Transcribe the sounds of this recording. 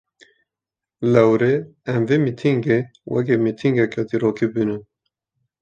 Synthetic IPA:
lɛwɾeɛmvemit̪ʰiŋɡewɛ̰k̬emit̪ʰiŋɡɛkʰɛd̪iɾoːkʰibinɨ

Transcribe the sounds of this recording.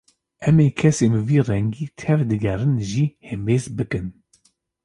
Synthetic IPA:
ʔɛmeːkʰɛseːmɨviːrɛŋɡiːt̪ʰɛvd̪ɨɡɛrɨnʒihɛmbeːzbɨkɨn

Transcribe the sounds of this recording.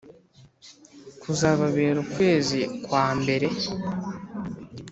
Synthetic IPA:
kuzaβaβeːɾukwe̞ːzikwaːmbe̞ɾe̞

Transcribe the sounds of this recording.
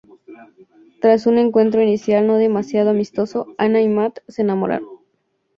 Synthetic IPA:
t̪ɾasune̞ŋkwe̞nt̪ɾo̞inisjalno̞ð̞e̞masjað̞o̞amist̪o̞so̞anaimat̪seenamo̞̰ɾa̰ɾon

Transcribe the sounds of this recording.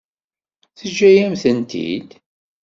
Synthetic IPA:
θəʒːæjæmθənt̪ḭd̪

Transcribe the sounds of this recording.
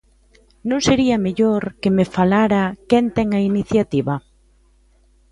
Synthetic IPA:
nõŋseɾiɐmeʎoɾkemefalaɾakɛnt̪ɛŋɐiniθjat̪iβɐ

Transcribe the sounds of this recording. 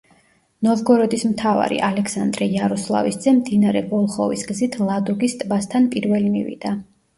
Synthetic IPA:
nɔvɡɔɾɔd̪ismt̪ʰava̰ɾḭʔalɛkʰsand̪ɾɛjaɾɔslˠa̰visd̪zɛmd̪inaɾɛbɔlˠχɔvisɡzit̪ʰlˠad̪ɔɡist̪ʼbast̪ʰanpʼiɾvɛlimivḭd̪a

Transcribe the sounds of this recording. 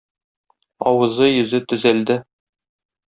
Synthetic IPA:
ɒwɤ̆zɤjɵ̆zɘt̪ɵ̆zæld̪ɘ

